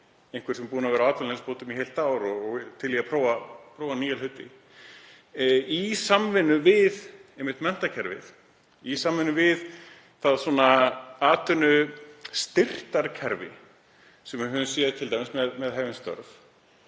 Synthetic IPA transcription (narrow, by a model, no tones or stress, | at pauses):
ẽjŋkvɪɾ̥sɛmpuːnavɛɾaaːt̪alɪnspoːt̪ʏmiɦejlt̪aːwɾɔɔɣt̪ʰɪlːiɣapʰɾoːwvapʰɾoːwvaniːjɛlhʏt̪ːɪ̰ | isamvɪnːʏvɪðejmɪt̪mɛn̥t̪acʰɛɾvɪ̰θ | isamvɪnːʏvɪð | θaðsɔːnaaːt̪ʏnʏst̪ɪr̥t̪aɾcʰɛɾvɪ̰ | sɛmːʏɦœːðʏsjɛːðɪt̪ʰɪlt̪ajmɪsmɛðmɛðɦɛvɪnst̪œ̰ɾf